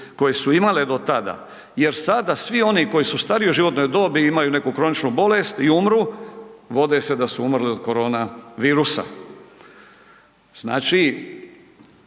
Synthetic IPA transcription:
ko̞jesuimaled̪o̞t̪ad̪a̰ | je̞ɾsad̪asʋio̞niko̞jisust̪aɾijoʒiʋo̞t̪no̞jd̪o̞ːbiimajune̞kukɾo̞nit͡ʃnubo̞le̞st̪iumɾuʋo̞d̪e̞se̞d̪asuumrlio̞d̪ko̞ɾo̞ːnaʋiːɾusa̰ | z̥na̰ːt͡ʃi

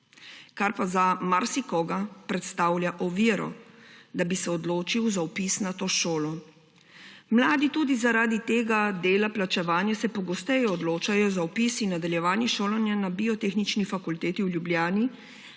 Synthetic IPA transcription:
kaɾpazamaɾsikɔːɡapɾɛt̪st̪aːwljaʔɔʋiɾɔ̰d̪abisɛɔd̪loːt͡ʃiwzaɔpisnat̪oːʃoːlɔ | mlaːd̪it̪uːd̪izaɾaːd̪it̪eːɡad̪eːlaplat͡ʃɛʋaːnjasɛpɔɡɔst̪ɛjɔɔd̪loːt͡ʃajɔzaɔpisinːad̪aljɛʋaːnjɛʃoːlanjanabiɔt̪exnit͡ʃnifakult̪eːt̪iwljubljaːni

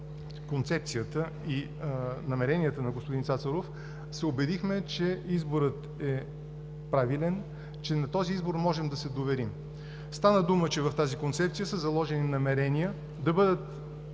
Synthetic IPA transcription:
kont̪sɛp̚t̪sijət̪ə | i | nɐmɛɾɛnʲijət̪ənɐɡospʊd̪insat̪səɾof | sɛobɛd̪ixmɛt͡ʃɛizboɾət̪ | ɛ | pɾavilɛn | t͡ʃɛnɐt̪ɔziizboɾmɔʒɛmd̪ɐsɛd̪ovɛɾim | st̪anəd̪umət͡ʃɛvɐft̪azikont̪sɛp̚t̪sijəsəzɐlˠɔʒɛninɐmɛɾɛnijə | d̪ɐbɤd̪ət̪

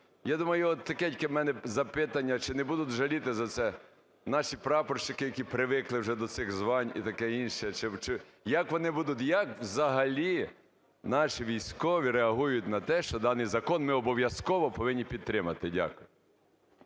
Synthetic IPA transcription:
jad̪umɐjʊɔt̪ːɐkɛtʲkɛmɛnɛzɐpɪt̪ɐnʲːɐt͡ʃɪnɛbud̪ʊt̪ʲʒɐlʲit̪ɪzɐsɛ | nɑʃʲipɾɑpɔrʃt͡ʃɪkɪjɐkʲipɾɪʋɪklˠɪwʒɛd̪ɔt̪sɪɣzʋɑnʲḭt̪ɐkɛinʃɛt͡ʃɪt͡ʃɪ | jɐkʋɔnɪbud̪ʊt̪ʲjɐkwzɐɦɐlʲi | nɑʃiʋʲijsʲkɔʋʲiɾeɐɦujʊt̪ʲnɐt̪ɛʃt͡ʃɔd̪ɑnɪjzɐkɔnmɪɔbɔʋʲjɐskɔʋɔpɔʋɪnʲːipʲid̪̚t̪ɾɪmɐt̪ɪdʲa̰kʊjʊ

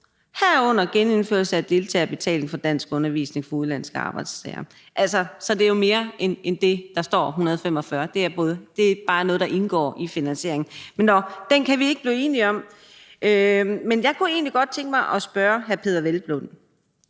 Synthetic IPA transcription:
hæɐ̰ɔ̽n̰ɐɡ̥ene̝nfø̰ɐ̰lsəæd̥e̝lt͡sʰɛ̰ːb̥e̝t͡sʰɛ̰ːle̝ŋ̩fɒ̽d̥æn̰sɡ̥ɔ̽nɐʋḭsne̝ŋfɒ̽uðˠlæn̰sɡ̥əɑ̈ːb̥ɑ̈ɪd̥st͡sʰɛ̰ɪɐ | ʔælsɐsɒ̽d̥e̝æjome̝ːɐenend̥e̝d̥ɑ̈sd̥ɒ̰ːɦunɐð̞̩ˠfem̰ɒ̽fɶːɐd̥e̝æɐb̥ɔ̽ːðˠd̥e̝̥b̥ɑ̈ːnɔ̽ːð̞̩ˠdɑ̈ʔe̝nɡ̥ɒ̰ːʔifinænsɕe̝ɐe̝ŋn̩menːɒd̥enkʰæʋie̝ɡ̥əb̥liːe̝ːniɒ̽m̰ | ʔømenjɑ̈ɪkʰue̝̰ːnliɡ̥ɒ̽d̥̚t͡sʰeŋɡ̥əmɑ̈ɪʔɒ̽sb̥ɶːɐɦæɐpʰe̝ðˠɐʋelb̥lon̩

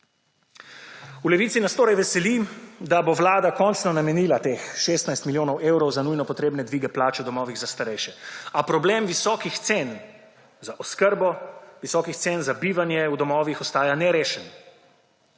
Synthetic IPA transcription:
ulɛʋiːt̪sinast̪oːɾajʋɛsɛlid̪aboʋlaːd̪akɔnt͡ʃnɔnamɛniːlat̪exʃest̪najst̪miljoːnɔwʔeːwɾɔwzanujnɔpɔt̪ɾeːbnɛd̪ʋiːɡɛplaːt͡ʃɛud̪ɔmɔːʋiɣzast̪aɾɛjʃɛapɾɔbleːmʋisɔːkixt̪sen | zaʔɔskəɾbɔʋisɔːkixt̪seːnzabiːʋanjɛud̪ɔmɔːʋixɔst̪aːjanɛɾeːʃɛn

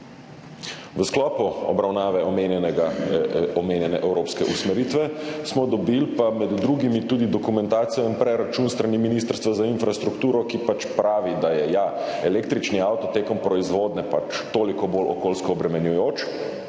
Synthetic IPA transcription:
ʋəsklɔːpuɔ̰bɾawnaːʋɛɔmenjɛnɛɡaɔmeːnjɛnɛʔɛwɾoːpskɛʔusmɛɾit̪ʋɛsmɔd̪ɔbilpamɛd̪ːɾuɡimit̪uːd̪id̪ɔkumɛ̃nt̪aːt̪sijɔinpɾɛɾat͡ʃuːnst̪ɾaniminist̪əɾst̪ʋazainfɾast̪ɾukt̪uːɾɔkipat͡ʃpɾaːʋid̪ajɛjaɛlek̚t̪ɾit͡ʃniawt̪ɔt̪eːkɔmpɾɔizʋoːd̪nɛpat͡ʃt̪oːlikɔbolʔɔ̰koːlskɔːbɾɛmɛnjujoːt͡ʃ

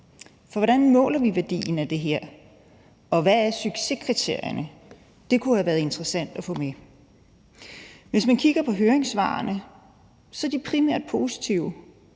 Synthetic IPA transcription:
fɒʋɒɾ̥ænmɔ̰̽ːlɐʋiʋæɐd̥ḭːn̩æd̥e̝ɦeɐ̰ | ɒ̽ʋææɐsyɡ̥se̝kʰʁit͡sʰe̝ɐ̰jɐnə | d̥e̝kʰuhæʋæːɐðˠe̝nd̥ʁɐsæn̰d̥æfɔ̽me | ʋe̝smænkʰiɡ̥ɐpʰɒ̽ɦøːɐeŋsʋɑ̰̈ːnə | sɒ̽æɐd̥ipʰʁimæɐ̰d̥̚pʰo̝ːsi̥t͡sʰiʊ̰

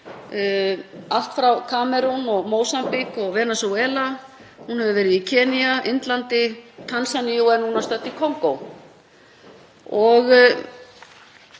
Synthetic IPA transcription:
al̥t̪fɾawkʰaːmɛɾunɔɣmoːwsampikɔɣvɛːnasowɛːla | hunhɛvʏvɛːɾɪðicʰɛːniaʔɪnt̪lant̪ɪt̪ʰansanijuɛnhunast̪œt̪ːikʰowŋkow | ɔɣ

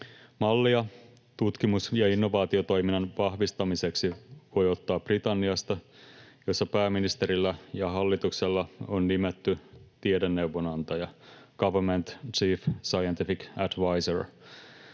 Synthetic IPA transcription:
mɑlːiɑ | t̪ut̪kimusjɑinːo̞ʋɑːt̪io̞t̪o̞jminɑnʋɑhʋist̪ɑmiseksiʋo̞jo̞t̪ːɑːprit̪ɑnːiɑst̪ɑjo̞sːɑpæːminist̪e̞ɾilːæjɑɦɑlːit̪ukselːɑonːimet̪ːyt̪iedenːe̞uʋonɑnt̪ɑjɑɡ̥ɑʋəment̪t͡ʃiːfsɑjent̪ifikædʋɑjsor

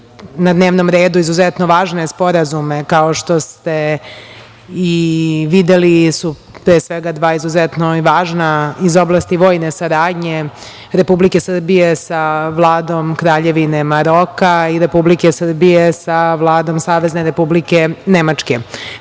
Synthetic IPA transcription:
nad̪neːʋnomɾeːd̪uizuzet̪no̞ʋaːʒnespo̞ɾazume̞kaoʃt̪o̞st̪e̞ | iʋid̪elisu | pɾeːsʋeɡad̪ʋaːizuzet̪noʋaːʒnaizo̞blˠast̪iʋo̞ːjnesaɾaːd̪ɲe̞ | ɾe̞publike̞sr̩bije̞saʋlˠaːd̪o̞mkɾaːʎe̞ʋine̞maɾo̞kaiɾe̞publikesr̩bije̞saʋlˠaːd̪o̞msaːʋe̞zne̞ɾe̞publike̞nemat͡ʂke̞

